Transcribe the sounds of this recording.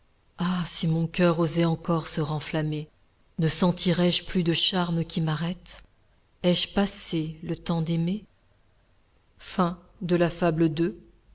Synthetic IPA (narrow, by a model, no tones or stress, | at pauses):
asimɔ̃kʲœʁozɛɑ̃kɔʁsəʁɑ̃flame | nəsɑ̃t̪iʁɛʒplyd̪əʃaʁməkʲʰimaʁɛt̪ | ɛʒpaselət̪ɑ̃d̪eme | fɛ̃ | d̪əlafabləd̪ø